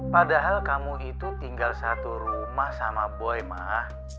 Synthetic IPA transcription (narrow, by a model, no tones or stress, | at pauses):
padaɦalkamuit̪ut̪iŋɡalsat̪uɾumahsamaboɛma̰h